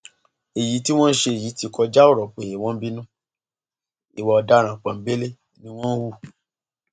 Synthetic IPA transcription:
e˨ji˨˦ti˦w̃ɔ̃˦n̩˦ʃe˧e˨ji˨˦ti˧kɔ˧d͡ʒa˦o˦˨ɾɔ˨k͡pe˨je˨w̃ɔ̃˦bi˦nũ˦ | i˨wɔ˨˧ɔ˧da˦ɾ̃ã˨k͡pã˨˦be˦le˦ | nĩ˦w̃ɔ̃˦n̩˦wu˦˨

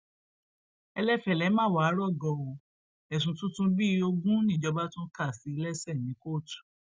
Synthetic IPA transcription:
ɛ˧lɛ˦fɛ˨lɛ˨˦mãː˦˨wa˨˦˨ɾɔ˦˨ɡɔ˧˨o˨ | ɛ˨s̬ũ˨tũ˦tũ˧˦bi˦o˧ɡũ˦nĩ˦˨d͡ʒɔ˧˦ba˦tũ˦ka˦˨si˨˦i˧˦lɛ˦sɛ˦˨nĩ˨˦ko˦˨tu̥˨

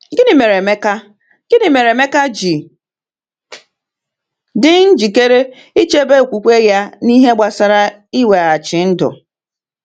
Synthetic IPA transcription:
ɡɪ˦nɪ˨me˨ɾe˨me˦ka˦ | ɡ̥ɪ˦nɪ˨me˨ɾe˨me˦ka˦d͡ʒi˨ | dɪ˦n̩˦d͡ʒi˨ke˦ɾe˦ | i˦t͡ʃe˦be˦˨kʷu˨kʷe˦ja˦ni˦ɦe˦ɡ͡ba˨sa˨ɾa˦ | i˦we˨a˨t͡ʃɪ˨n̩˦dʊ̰˨

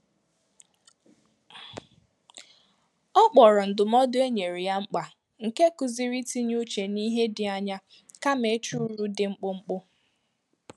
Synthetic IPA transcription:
ɔ˦k͡pɔ˨ɾɔ˨n̩˨dʊ˨m˦ɔ˦dʊ˦e˦ɲe˨ɾi˨ja˦ŋ͡m̩˦k͡pa˨ | ŋ̩˨ke˦kʊ˨zi˦ɾi˦ti˦ɲu˦t͡ʃe˨ni˦ɦe˦dɪ˨a˦ɲa˦ | ka˦me˨˦t͡ʃu˦ɾu˦dɪ˨ŋ͡m̩˦k͡pʊ˦ŋ͡m̩˦k͡pʊ˦

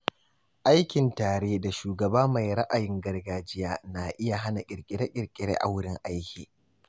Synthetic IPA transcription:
ʔa˦jkʲɪ˨ntaː˨ɽeː˦da˨ʃuː˨ɡɐ˨baː˦ma˨jɾɐ˦ʔa˨jɪ˦ŋɡɐ˦rɡaː˦d͡ʒɪ˦jaː˦naː˨ʔɪ˦ja˨ɦa˦na˨kʲʼɪ˨ɾkʲʼɪ˨ɽe˦kʲʼɪ˨ɾkʲʼɪ˨ɽḛː˦ʔa̰˨wʊ˦ɽɪ˦ŋʔa˦jkʲiː˨

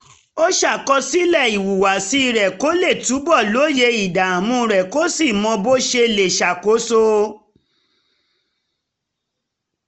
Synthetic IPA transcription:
o˦ʃa˦˨kɔ˧si˦lɛ˦˨i˨wu˨wa˨si˧˦˧ɾɛ˨ko˨˦le˦˨tu˨˦bɔ˦˨lo˨˦je˧i˨da˨a˨mũ˧ɾɛ˨ko˦si˦˨mɔ̃˧bo˦ʃe˧le˨ʃa˨ko˨˦so˦

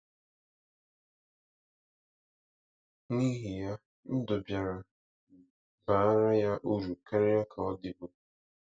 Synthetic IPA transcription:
ni˦ɦi˨ja˦ | n̩˦dʊ˨bja˨ɾa˨ | ba˨˦ɾa˦ja˦ʔu˦ɾu˨ka˦ɾɪ˦a˦kʰa˨ɔ˦dɪ˨bʊ˨

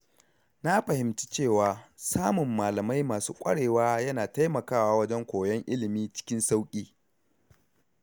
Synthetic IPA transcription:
na˦ɸɐ˨hɪ˨mti˦t͡ʃeː˦˨waː˨saː˦mʊ˨mːaː˨lɐ˨ma˦jmaː˨suː˦kʷʼɐ̰˦ɽeː˨waː˦jɐ˦naː˨ta˦jmɐ˨kaː˦waː˦wɐ˦d͡ʒɛ˦ŋkʷoː˨jɛ˦ŋʔɪ˦lɪ˨miː˦t͡ʃɪ̥˦kʲɪ˦nsa˦wkʲʼiː˦

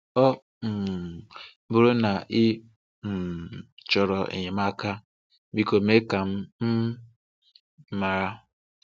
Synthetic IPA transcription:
ɔ˦ | m̩˨˦ | bʊ˨ɾo˦na˨ʔɪ˦ | m̩˨t͡ʃɔ˨ɾɔ˨ʔḛ˨ɲe˨m˦a˦ka˦ | bi˦ko˨me˦ka˨m̩˦m̩˦ | ma˨ɾa˦

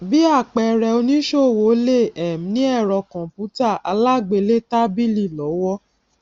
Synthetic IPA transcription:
bi˨˦a˦˨k͡pɛ˧ɾɛ˧o˧nĩ˦ʃo˦˨wo˨˦le˦˨ɛ˨m̩˨nĩ˦ɛ˦˨ɾɔ˧kɔ̃˨pu˨˦ta˦˨ʔa˧la˦ɡ͡be˧le˦ta˦bi˦˨li˦˨lɔ˨˦wɔ˦

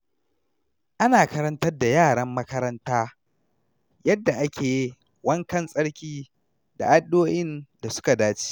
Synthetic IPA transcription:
ʔa˦naː˨kɐ˦ɾɐ˦ntɐ˦rda˨jaː˦˨ɽɐ˦mːɐ˦kɐ˦ɾɐ˦ntaː˦ | jɐ˦dːa˨ʔa˦kʲʰeː˨ji˦ | wɐ˦ŋkɐ˦˨nsʼɐ˦ɽkʲiː˦ | da̰˨ʔa˦dːoː˦jɪ˦nda˨sʊ̥˦ka˨daː˦t͡ʃi̥˦

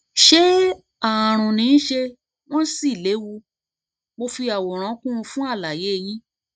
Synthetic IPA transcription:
ʃe˦ | a˨ɾ̃ũ˨nĩ˨˦n̩˦ʃe˧ | w̃ɔ̃˦n˦si˦˨le˨˦wu˧ | mo˧fi˧a˨wɔ˨ɾ̃ã˨˦kũ˦ũ˧fũ˦a˦˨la˨je˨˦˧jĩ˦

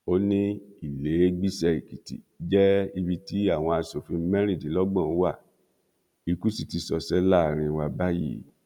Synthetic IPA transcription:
o˦nĩ˦i˨le˨˦ɡ͡bi˦sɛ˧i˨ki˨tḭ˨ | d͡ʒɛ˦i˧bi˧ti˨˦a˦˨w̃ɔ̃˧a˧so˨fĩ˨˧˦mɛ˦ɾi˦˨di˨˦lɔ˦ɡ͡bɔ̃˦˨˦wa˦˨ | i˧ku˦si˨ti˧sɔ˧sɛ˨˦la˦˨ɾ̃ĩ˧wa˧ba˦jḭ˦˨

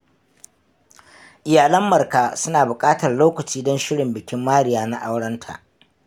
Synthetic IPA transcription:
ʔɪ˨jaː˨lɐ˦mːɐ˨rka˨sʊ˦naː˨bʊ˨kʼaː˦tɐ˨rloː˦kɐ˨t͡ʃiː˦dɔ˦nʃɪ˦ɽɪ˨mbɪ˨kʲɪ˦mːaː˦ɽɪ˨jaː˦na˦ʔa˦wɽɐ˦ntʰa̰˨ʔ

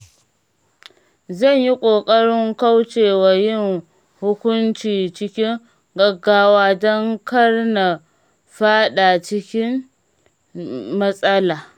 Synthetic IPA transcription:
zɐ˦˨ɲji˦kʷʼoː˨kʼɐ˦ɽɪ˦ŋka˦wt͡ʃeː˨wa˨jɪ˦n | hʊ˦kʷʊ˦nt͡ʃiː˨t͡ʃɪ˦kʲɪ˦ŋ | ɡɐ˨ɡːaː˦waː˦dɔ˦ŋkɐ˦rna˨ | ɸaː˦ɗa˨t͡ʃɪ˦kʲɪ˦n | mɐ˦sʼɐ˦laː˨

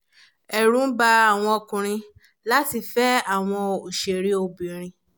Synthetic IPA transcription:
ɛ˨ɾ̃ũ˨˦ba˦a˦˨w̃ɔ̃˧ɔ˧˨kũ˨ɾ̃ĩ˧ | la˦ti˧fɛ˦a˦˨w̃ɔ̃˧o˨ʃe˨ɾi˦o˧˨bĩ˨ɾ̃ĩ˧

